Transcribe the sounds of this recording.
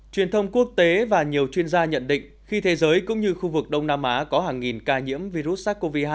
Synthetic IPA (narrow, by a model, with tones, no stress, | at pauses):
t͡ɕwi˨˩ənt̪ʰə˧wŋ͡mku˦˥ək̚t̪e˨˦vaː˨˩ɲi˨˩əwt͡ɕwi˧ənzaː˧ɲə̰˧˨nɗḭ̈˧˨ŋ̟xi˧t̪ʰe˨˦zəː˨˦jkʊ̰˧˥ŋ͡mɲɨ˧xu˧vɨ˨˩k̚ɗə˧wŋ͡mnaː˧mʔaː˨˦kɔ˨˦ɦaː˨˩ŋːi˨˩nkaː˧ɲḭ˧˥əmvi˧ɾu˦˥t̚saː˦˥k̚ko˧vi˧haː˧